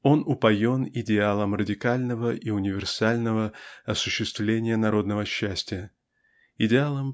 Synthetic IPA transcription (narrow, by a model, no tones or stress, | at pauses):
o̞nʊpɐjo̞nɪdʲɪalˠəmrədʲɪkalʲnəvəʔiʊnʲɪvʲɪrsalʲnəvəɐsʊɕːɪst̪vlʲenʲɪjənɐɾo̞d̪nəvəɕːæsʲtʲɪjə | ɪdʲɪalˠəm